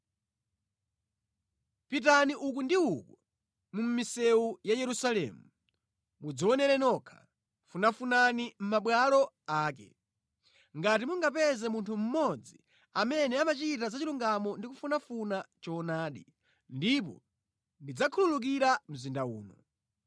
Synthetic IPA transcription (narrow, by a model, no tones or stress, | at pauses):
pitaniʔuk̬undiuku | mum̩misɛujajɛɾusalɛ̰mu | mud͡ziɔnɛɾɛnɔkʰḁ̰ | funafunanim̩maɓwalɔ | aːk̬ɛ̰ | ŋɡat̬imuŋɡapɛzɛmuntʰum̩mɔd͡zi | amɛnɛamat͡ʃit̬azat͡ʃiluŋɡamɔndikufunafunat͡ʃɔnaːɗi | ndip̬ɔ̰ | ndid͡zakʰululuk̬iɾam̩zindaṵːnɔ̰